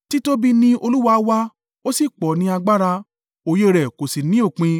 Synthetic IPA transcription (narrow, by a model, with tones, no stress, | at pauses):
ti˦to˦bi˧nĩ˧o˧lu˦wa˧wa˧ | o˦si˦˨k͡pɔ˨nĩ˧a˧ɡ͡ba˦ɾa˧ | o˧˨je˦ɾɛ˨ko˨si˨nĩ˦o˦˨k͡pĩ˧